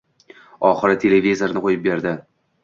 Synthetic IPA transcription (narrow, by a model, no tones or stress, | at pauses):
ɒχɨɾɪt̪ʰe̞levʲizoɾnɪqojɪp̚be̞ɾd̪ɪ